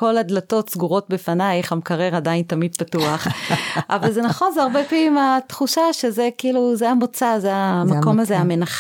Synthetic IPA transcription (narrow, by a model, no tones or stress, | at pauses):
ko̞lad̪lato̞tsɡuʁo̞t̚befanajχamkaʁe̞ʁadaintamid̪̚patuaχʔavalzenaχo̞nzeaʁbepimat̪χuʃaʃezekiiːluzeamot͡sazeamako̞mazeamenaχ